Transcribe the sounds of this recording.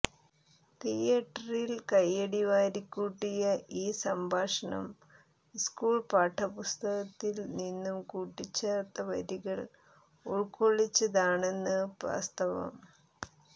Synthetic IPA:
t̪ijɐʈːɐrilkɐjːɐɽiʋaːɾikʲːuːʈːijɐʔiːsɐmbʱaːʂɐɳɐ̰m | skuːɭpaːʈʰːɐpust̪ɐɣɐt̪ːilninːumkuːʈːit͡ɕːeːrt̪ːɐʋɐ̰ɾiɣɐɭ | uɭkoɭːit͡ɕːɐðaːɳe̞nːɨba̰ːst̪ɐʋɐ̰m

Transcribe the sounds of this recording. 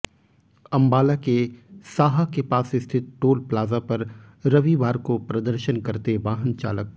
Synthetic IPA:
ɐ̃mbaːlakesaːɦakepaːsɪst̪ʰɪt̪̚ʈoːlplaːzapɐɾ | ɾɐʋiʋaːɾkopɾɐd̪əɾʃənkɐɾt̪eʋaːɦənt͡ʃa̰ːlək̚

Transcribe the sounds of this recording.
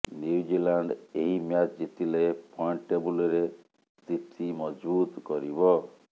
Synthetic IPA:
njuud͡ʒilaɳɖeɦimjad͡ʒd͡ʒit̪ʰilepʰɔɳʈebulɔɾe | sit̪ʰimɔd͡ʒbut̪kɔɾibɔ

